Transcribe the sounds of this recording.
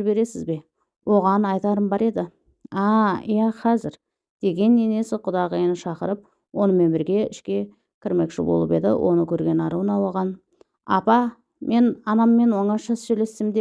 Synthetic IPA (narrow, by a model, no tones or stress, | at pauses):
be̞ɾe̞sɪzbe̞ | wo̞ʁɑnɑjt̪ɑɾəmbɑɾe̞d̪ɪ | ɑijɑqʰɑzɪɾ | d̪̥e̞ɡʲe̞nːene̞sɪqʰʊd̪ɑʁəjenɪʃɑqəɾəp̚ | wo̞nəme̞nbɪɾɡʲe̞ɪʃkʲe̞ | kʲʰɪɾme̞kʃɪ̰bo̞̰lˠəpe̞̰d̪ɪ̰wʔo̞̰nəkʲʰɵɾɡʲe̞nɑɾuənɑwoʁɑn | ɑ̰pɑ | mʔe̞nɑnɑmːe̞nwo̞ɴɑʃɑsʒɵle̞st̪ɪmd̪e